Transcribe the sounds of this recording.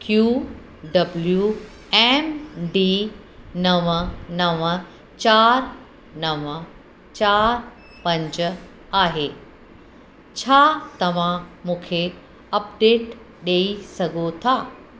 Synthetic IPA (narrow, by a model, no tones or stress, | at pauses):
kjuː | ɖɐblju | ɛːmɖiː | nɐʋənɐʋə | t͡ɕaːɾ | nɐʋə | t͡ɕaːɾ | pɐ̃ɲd͡ʑ | aːɦeː | t͡ɕʰaːt̪ɐʋ̤ãmũːkʰe | ɐpɖeːʈ | ɗeːisɐɡʱot̪ʰaː